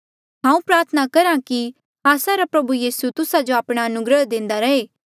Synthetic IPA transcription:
ɦãːũpɾaːɾt̪ʰənakɐɾãki | aːsaɾapɾɐbujiːsut̪ʊsad͡ʒoaːpɽ̃aɐnʊɡɾəɦd̪ɪ̃ːnd̪aɾɐeː

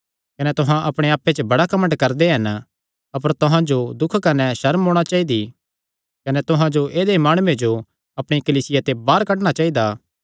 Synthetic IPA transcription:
kɐnɛt̪ʊɦãʔɐpɽ̃eaːpːet͡ʃəbɐɽakɐmə̃ɳʈkɐɾd̪eɦɐn | ɐpəɾt̪ʊɦãd͡ʒod̪ʊkʰkɐnɛʃɐɾmɦoːɽ̃at͡ʃaːid̪i | kɐnɛt̪ʊɦãd͡ʒoʔeːd̪emaːɽ̃uːed͡ʒo | ɐpɽ̃ikɐliːsɪjat̪ebaːɾkɐʈ̬ɽ̃at͡ʃaːid̪aː

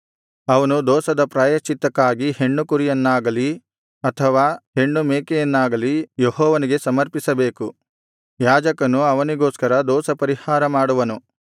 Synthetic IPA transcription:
ɐʋɐnud̪ɔːsɐd̪ɐpɾaːjɐt͡ʃit̪ɐkːaːɡihe̞ɳːukuɾijɐnːaːɡɐli | ɐt̪ʰɐʋaːhe̞ɳːumeːkejɐnːaːɡɐlijeɦɔːʋɐniɡesɐmɐɾpisɐbe̞ːku | jaːd͡ʒɐkɐnuɐʋɐniɡoːskɐɾɐd̪ɔːsɐpɐɾihaːɾɐmaːɽuʋɐnu

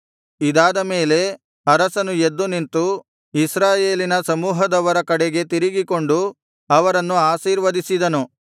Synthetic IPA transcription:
id̪aːd̪ɐme̞ːle̞ | ɐɾɐsɐnued̪ːunint̪u | isɾaːje̞ːlinɐsɐmuːɦɐd̪ɐʋɐɾɐkɐɽeɡe̞t̪iɾiɡiko̞ɳɖu | ɐʋɐɾɐnːuaːsiːɾʋɐd̪isid̪ɐnu

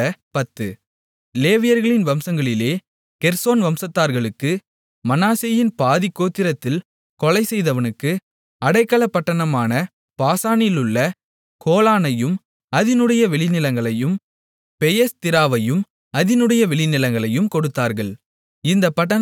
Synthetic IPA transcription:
ɐpɐt̪ːɯ̰ | leːʋɪjɐɾɣɐɭɪnʋɐmsɐŋɡɐɭɪleː | kɛɾsoːnʋɐmsɐt̪ːaːɾɣɐɭɯkːɯ | mɐnaːsɐjɪnpaːðɪkːoːt̪ːɪɾɐt̪ːɪl | kɔɭɐɪsɛjðɐʋɐnɯkːɯ | ɐɽɐɪkːɐɭɐpːɐʈːɐɳɐmaːnɐ | paːsaːnɪlɯɭːɐ | koːlaːnɐjɯm | ɐðɪnɯɽɐjɐʋɛɭɪnɪlɐŋɡɐɭɐjɯm | pɛjɐst̪ɪɾaːʋɐjɯm | ɐðɪnɯɽɐjɐʋɛɭɪnɪlɐŋɡɐɭɐjɯmkɔɽɯt̪ːaːɾɣɐɭ | ɪnd̪ɐpːɐʈ̬ːɐ

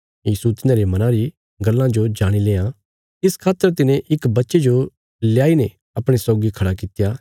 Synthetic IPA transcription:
jiːsut̪ɪnãɾemɐnãɾi | ɡɐlːãd͡ʒod͡ʒaːɽ̃ileːã | ɪskʰaːt̪ːəɾt̪̬ɪnẽʔɪkbɐtːʃed͡ʒo | ljaːine | ɐpɽ̃esɔːɡikʰɐɽakɪt̪ja

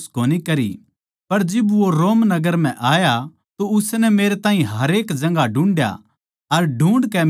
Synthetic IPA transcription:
skoːnikɐɾḭ | pɐɾd͡ʒɪbʋoɾoːmnɐɡəɾm̤ɛ̃ʔaːja | t̪oʊsnɛmeːɾet̪ãːɦĩɦɐɾeːkd͡ʒɐ̃ŋɡaɖũːɳɖja̰ | ɐɾɖũːɳɖkɛ

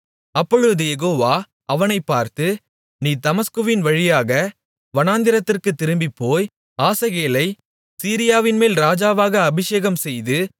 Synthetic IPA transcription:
ɐpːɔɻɯʋðɯjɛɣoːʋaː | ʔɐʋɐnɐɪpːaːɾt̪ɯ | niːt̪ɐmɐskɯʋɪnʋɐɻɪjaːɣɐ | ʋɐnaːnd̪ɪɾɐt̪ːɪrkɯt̪ːɪɾɯmbɪpːoːj | aːsɐɣeːlɐɪ | siːɾɪjaːʋɪnmeːlɾaːd͡ʒaːʋaːɣɐːbɪʂeːɣɐmsɛjðɯ

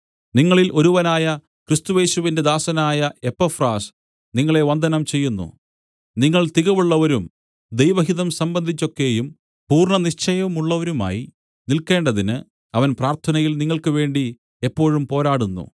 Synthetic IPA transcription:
niŋːɐɭilʔo̞ɾuʋɐnaːjɐ | krist̪uje̞ːɕuʋinde̞d̪aːsɐnaːjɐe̞pːɐfraːs | niŋːɐɭe̞ʋɐnd̪ʱɐnɐmt͡ɕe̞jːunːṵ | niŋːɐɭt̪iɣɐʋuɭːɐʋɐɾum | d̪ejʋɐɦiðɐmsɐmbɐnd̪ʱit͡ɕːo̞kːe̞jum | puːrɳɐniɕt͡ɕɐjɐʋmuɭːɐʋɐɾuma̰ːji | nilke̞ːɳɖɐðinɨ | ɐʋɐnpraːrt̪ʰɐnɐjilniŋːɐɭkɨʋe̞ːɳɖi | epːo̞ːɻumpo̞ːɾaːɽunːṵ

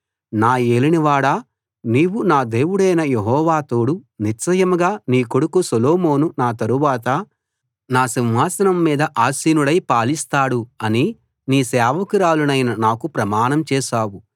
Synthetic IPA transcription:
naːe̞ːliniʋaːɽaː | niːwunaːd̪e̞ːwuɽɐjnɐjeɦɔːʋaːt̪o̞ːɽuniɾsɐjɐmɡaːniːkoɽukusɐloːmo̞ːnunaːt̪ɐɾuʋaːt̪ɐ | naːsinɦaːsɐnɐmːiːd̪ɐʔaːsiːnuɽɐjpaːlist̪aːɽuɐni | niːsɛːʋɐkiɾaːlunɐjnɐnaːkupɾɐmaːnɐmt͡ʃɛːʃaːwu

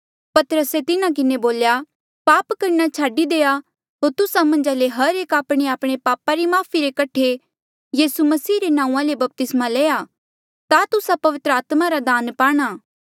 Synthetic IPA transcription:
pɐt̪əɾəset̪ɪnãk̬ɪneboːlja | paːpkɐɾnat͡ʃʰaːɖid̪eːa | ɦoːɾt̪ʊsamɐ̃nd͡ʒaleɦɐɾeːkaːpɽ̃eaːpɽ̃epaːpaɾimaːpʰiɾekɐʈʰe | jiːsumɐsiːɾenãːũãlebɐp̚t̪ɪsmaleːa | t̪at̪ʊsapɐʋɪt̪ɾəaːt̪maɾad̪aːnpaːɽ̃aː

